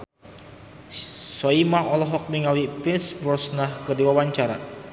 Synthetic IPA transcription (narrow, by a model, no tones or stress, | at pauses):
sɔimaŋʔɔlɔɦɔk̚miŋawipinsbɾɔsnahkədiwawaɲt͡ʃaɾa̰